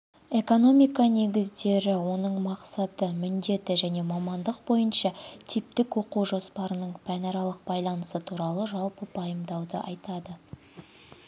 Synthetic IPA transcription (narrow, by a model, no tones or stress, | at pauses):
e̞ko̞no̞mijkɑne̞ɡʲɪzd̪e̞ɾɪwo̞nəɴmɑqsɑt̪əmʏnd̪e̞t̪ɪʒæne̞mɑmɑnd̪əqbo̞jənʃɑt̪ʰip̚t̪ɪkwo̞quʒo̞spɑɾənəɴpʰænɑɾɑlˠəq̚bɑjlˠɑnəsət̪ʰuɾɑlˠəʒɑlˠpəbʰɑjəmd̪ɑwd̪ə̰ʔɑ̰jt̪ɑd̪ə